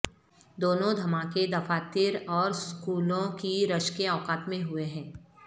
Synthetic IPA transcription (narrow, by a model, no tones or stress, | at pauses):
d̪oːnõd̪ʱɐmaːked̪ɐfaːt̪iːɾɔːɾskuːlõkiɾɐʃkeaːkaːt̪mẽɦʊeɦɛ̃ː